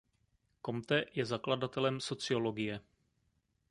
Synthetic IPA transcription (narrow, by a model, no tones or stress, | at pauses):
ko̞mt̪ɛjɛzakladat̪ɛlɛmso̞t͡sɪo̞lo̞ɡɪjɛ